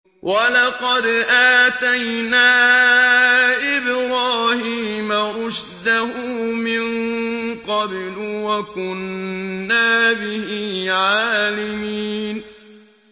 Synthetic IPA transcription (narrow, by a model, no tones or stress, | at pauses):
wʔalɑqɑd̪ʔaːt̪ajnaː | ʔɪbɾaːhiːmaʔʊʃd̪aɦumɪnqɑblwakʊnː | aːbɪhiːʕaaːlɪmiːn